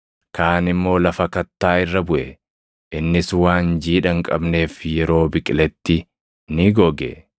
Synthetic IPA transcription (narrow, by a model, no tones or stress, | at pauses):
kaːnɪmːo̞ːlɐfɐkɐt̪ːaːɪrːɐbʊʔɛ | ʔɪnːɪswaːnd͡ʒiːᶑɐŋkʼɐbne̞ːfjɛɾo̞ːbɪkʼɪlɛt̪ːɪ | nɪɡɔɡɛ̰